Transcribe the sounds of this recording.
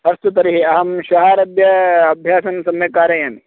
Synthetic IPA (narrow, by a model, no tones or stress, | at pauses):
ɐst̪ut̪ɐɾiɦiɐɦɐmʃɐɦaːɾɐd̪jɐɐbʱjaːsɐnsɐmjɐkaːɾjɐjɐni